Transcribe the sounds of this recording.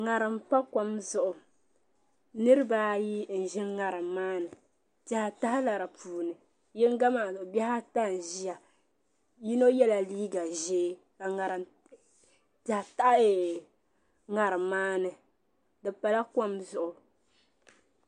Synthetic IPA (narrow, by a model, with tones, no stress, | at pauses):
ŋa˨ɾɨ˨m˦pa˦ka˨mzʊ˨ʔʊ˨ | nɨ˦ɾɨ˦ba˦ji˦n̩˨ʒɪ˦nŋa˨ɾɨ˨maː˦nɨ˨ | ta˦ha˨ta˦hla˨ɾa˨pʰuː˨nɨ˨ | jɛ˦ŋ˦ɡa˦ma˨zbɛ˦ha˦ta˦˨n̩˨ʒi˦a˨ | ji˦no˦jɛ˦la˨liː˦ɡa˨ʒeː˦ | ka˨ŋa˨ɾɨ˨m | ta˨hta˦e˨ | ŋa˨ɾɨ˨maː˦nɨ˨ | dɨ˨pa˨la˦ka˦mzʊ˨ʔʊ˨